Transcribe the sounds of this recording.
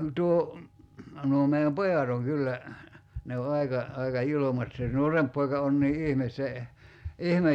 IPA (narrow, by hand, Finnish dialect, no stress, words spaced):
tuo nuo meiæm pojɑt oŋ kylːæ ne o ɑikɑ ɑikɑ julomɑt se nuoremp poikɑ on niː ihmes se ihmej